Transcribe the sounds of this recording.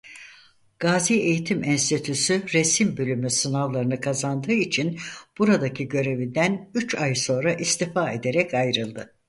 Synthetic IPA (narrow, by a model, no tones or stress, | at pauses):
ɡ̥aːzie̞jit̪ʰimʔɛnst̪it̪ʰysyɾesimbølʲymysɯnavlˠaɾɯnɯkʰazand̪ɯːit͡ʃʰinb̥uɾad̪acʰiɟø̞ɾe̞vind̪ænyt͡ʃajso̞nɾaʔist̪ʰifaːe̞d̪e̞ɾɛcʰajɾɯlˠd̪ɯ